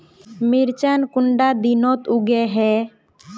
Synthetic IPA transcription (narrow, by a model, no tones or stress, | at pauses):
miɾt͡ʃankuɳɖad̪inɔt̪uɡɛɦɛ